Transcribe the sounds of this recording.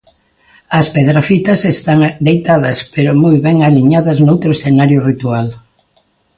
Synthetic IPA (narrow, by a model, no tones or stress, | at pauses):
ɐspeð̞ɾafit̪ɐsest̪aŋd̪ejt̪aðɐspeɾʊmojβɛŋaliɲaðɐznowt̪ɾoesθenaɾjʊrit̪ual